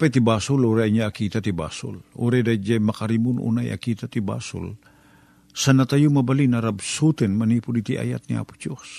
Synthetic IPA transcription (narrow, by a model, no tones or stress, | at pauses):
pɛt̪ibaːsʊluɾɛɲaakit̪at̪iba̰ːsʊ̰luɾɛd̪ad͡ʒɛmɐkaɾimʊnṵnajʔa̰kiːt̪at̪iba̰sʊ̰l | sanat̪ajumɐbalinaɾabsut̪ɛnmɐniːpudit̪iʔa̰ja̰t̪̚niʔa̰pʊ̥d͡ʒos